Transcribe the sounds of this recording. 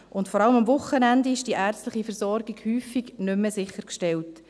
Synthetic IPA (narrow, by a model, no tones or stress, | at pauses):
ʔʊntfɔɾɑləmɑmvʊχːənændiɪʃd̥iʔæːɾt͡stləχifəɾsɔɾɡiɡ̥hyːfiɡnʏmːəsɪχːəɾkʃtɛlt